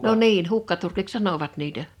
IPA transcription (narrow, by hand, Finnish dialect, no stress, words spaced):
no niːn hukːɑturkiks sɑnoʋɑt niːtæ